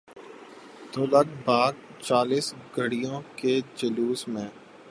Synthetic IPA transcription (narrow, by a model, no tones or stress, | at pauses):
d̪oːlɐk̚baːɡ̚t͡ʃaːliːsɡʱəɽijõked͡ʒəluːsmẽː